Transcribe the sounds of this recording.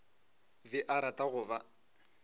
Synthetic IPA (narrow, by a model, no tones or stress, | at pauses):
bɪʔaɾatʼaɣʊva